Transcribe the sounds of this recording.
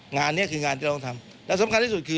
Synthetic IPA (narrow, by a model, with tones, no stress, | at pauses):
ŋaː˧nːi˦˥˩ɐkʰɯː˧ŋaː˧nt̪iː˥˧t̪ʰa˧m | lɛ˦˥˩sa˨˦mka˧nt̪ʰiː˧su˨˩t̪̚kʰɯː˧